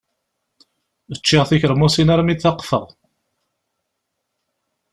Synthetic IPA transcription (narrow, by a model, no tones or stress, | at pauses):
ðət͡ʃːɪʁθiçəɾmusinaɾmiθɑqːfə̰ʁˤ